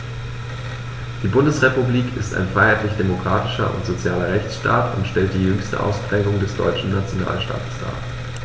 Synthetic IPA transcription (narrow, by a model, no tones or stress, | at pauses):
d̥iːbʊndəsʁepubliːkʰɪsta̰ɪnfʁ̥aɪhaɪtlɪçd̥emokʁ̥aːtɪ̥ʃɐ̰ʔʊ̰ntz̥ot͡sjaːlɐʁɛçt͡sʃta̰ːtʰʊntʃtɛlt̚d̥iːjʏŋstə̰ʔa̰ʊspʁ̥ɛːɡʊŋdɛsd̥ɔ̰ʏt͡ʃn̩nat͡sjona̰ːlʃta̰ːtə̥sd̥a̰ːɐ